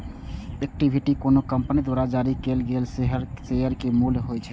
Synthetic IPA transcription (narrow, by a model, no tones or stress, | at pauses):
ek̚ʈibʱiʈikonokəmpənid̪waɾad͡ʒaɾikelɡelseɦɾsejəɾkemulɦojt͡ʃʰɛ